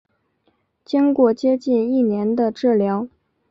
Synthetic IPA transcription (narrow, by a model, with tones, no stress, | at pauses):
t͡ɕɛ˥ŋkwɔ˥˩t͡ɕjɛ˥t͡ɕi˥˩ni˥˩njɛ˧˥nd̪ə˧ʈ͡ʂɻ̩˥˩ljɑ˧˥ʊ